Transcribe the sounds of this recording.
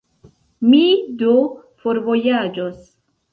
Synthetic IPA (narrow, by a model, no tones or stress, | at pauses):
mid̪o | foɾvɔjad͡ʒɔs